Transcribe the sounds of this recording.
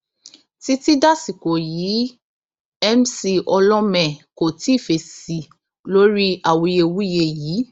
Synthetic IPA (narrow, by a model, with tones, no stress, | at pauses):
ti˦ti˦da˦˨si˨ko˨jiː˨˦ | ɛ˦msi˧ʔɔ˧lɔ̃˦mɛ̃˨ko˨ti˨˦˨fe˨si˨ | lo˦ɾi˦a˦˨wo˨˧je˧wu˦je˧jiː˨˦